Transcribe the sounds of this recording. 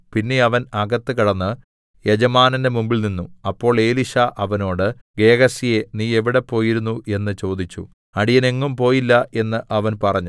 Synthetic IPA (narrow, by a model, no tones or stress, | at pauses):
pinːe̞ɐʋɐnɐɡɐt̪ːɨkiɽɐnːɨ | jed͡ʑɐmaːnɐndemumbilninːuɐpːo̞ːɭe̞ːliʂɐʔɐʋɐno̞ːɽɨ | ɡe̞ːɣɐsije̞niːe̞ʋiɽe̞pːo̞ːjiɾunːuʔe̞nːɨt͡ɕo̞ːd̪it͡ɕːṵ | ɐɽijɐne̞ŋːumpo̞ːjilːɐe̞nːɨʔɐʋɐnpɐrɐɲːu